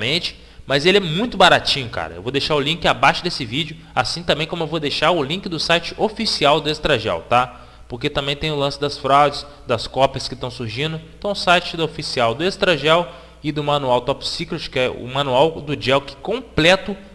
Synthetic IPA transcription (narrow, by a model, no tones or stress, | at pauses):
mẽt͡ʃɪ̥ | mɐzelɪɛmũj̃t̪ʊbaɾat͡ʃĩɲʊka̰ɾɐḛwvod̪eʃaɾʊlĩkɪabaʃʊd̪esɪvid͡ʒɪʊ | asĩt̪ɐ̃bẽj̃kõmʊewvod̪ejʃaɾʊlĩkɪd̪ʊsajt͡ʃɪʔofisiawd̪ʊest̪ɾaʒɛ̰wt̪a | poɾket̪ɐ̃mbẽj̃t̪ẽj̃ʊlɐ̃sɪd̪ɐsfɾawd͡ʒɪs | d̪ɐskɔpjɐskɪt̪ɐ̃w̃suɾʒĩnd̪ʊẽt̪ɐ̃w̃ʊsajt͡ʃɪd̪ɐofisiawd̪ʊest̪ɾaʒɛw | ɪd̪ʊmɐ̃nuawt̪ɔpsikɾot͡ʃɪ̥kɛʊ̰mɐ̃nuawd̪ʊd͡ʒɛwkɪ̥kõplɛt̪ʊ